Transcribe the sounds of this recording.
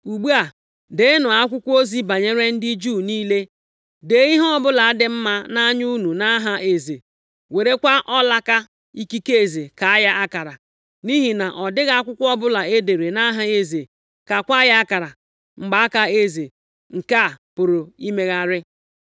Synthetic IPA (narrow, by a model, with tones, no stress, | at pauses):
u˨ɡ͡bu˦a˨ | de˨˦nʊ˨a˦kʷʊ˦kʷo˦zi˦ba˨ɲe˦ɾe˦n̩˦dɪ˦d͡ʒu˦˨niː˦le˦ | de˨˦ɣi˦ɦɔ˦bʊ˦la˨a˦dɪ˨m̩˦ma˦na˦ɲu˦nu˨na˦ɦa˦e˨ze˨ | we˨ɾe˦kʷa˦ʔɔ˦la˦ka˦ | i˦ki˦ke˦e˨ze˨ka˨a˦ja˦a˦ka˨ɾa˨ | ni˦ɦi˨na˨ʔɔ˨dɪ˦ɣa˦a˦kʷʊ˦kʷɔ˦bʊ˦la˨e˦de˨ɾe˨na˦ɦa˦e˦ze˨ | ka˨kʷa˦ja˦a˦ka˨ɾa˨ | ŋ͡m̩˨ɡ͡ba˨a˦ka˦e˦ze˨ | ŋ̩˨ka˦˨pʊ˨ɾʊ˨i˦me˦ɣa˦ɾɪ˦